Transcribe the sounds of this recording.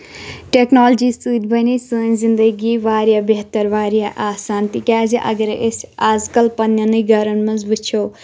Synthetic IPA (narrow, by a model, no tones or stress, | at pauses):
ʈeknoːld͡ʒist̪ujd̪bʱɐnisəːnzind̪əɡiʋaːɾjabeɦt̪ːɐɾʋaːɾjaʔaːsaːnt̪ikʲaːziʔɐ̰ɡɐɾʔesʲaːzkɐlpɐnjɐnɨɡɐɾɐnmɐnzbɨt͡ʃʰo